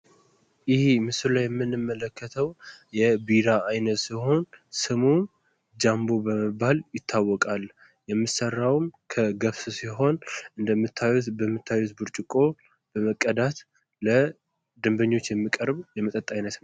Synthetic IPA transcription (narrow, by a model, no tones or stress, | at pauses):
jɪhmɨsɨllajɛmːɨnːɨmːələkʰːət̪ʰəwjɛbiɾaajnət̪siho̞nsɨmum | d͡ʒambobəməbːaljɪt̪ʰːawːɔkʼal | jɛmːɨsərːawmkʰəɡəβssiɦo̞nɨnd̪əmːɨt̪ʰːajut̪bəmːɨt̪ʰːajwut̪buɾt͡ʃʼɪkʼo̞ | b̥əməkʼːəd̪at̪ | lə | d̪ɨmbəɲːo̞t͡ʃːjɛmːikʼəɾbjɛmːət̪ʼət̪ʼajnət̪